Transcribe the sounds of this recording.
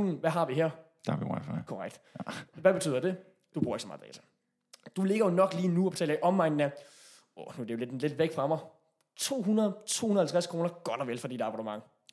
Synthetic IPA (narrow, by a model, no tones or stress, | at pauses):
n̩ʋæɦɑ̈ʋiɦeɐ̰ | d̥ɑʋima̰fkʰɒʁaɡ̥̚d̥ʋæb̥e̝t͡sʰy̰ðˠɐd̥e̝ | d̥ub̥ṵɐ̰eɡ̥sɒmɑ̥̈ːɛ̰ːt͡sʰæ̥ | d̥ule̝ɡ̥ɐjo̝nɒ̽ɡ̥liːnuɒb̥e̝t͡sʰɛ̰ːlɐiʔɒ̽mʋɑ̈ɪnn̩æ | ɔnud̥ejo̝le̝d̥le̝d̥ʋeɡ̥fʁɑ̈mɑ̈ɪ | t͡sʰo̝̰ːɦunɐð̩ˠt͡sʰo̝̰ːhunɐhæl̩t͡sʰʁaskʁo̝ːnɐɡ̥ɒnɐʋelfɒd̥id̥ɑ̈b̥ɑdəmɑ̈ŋ̰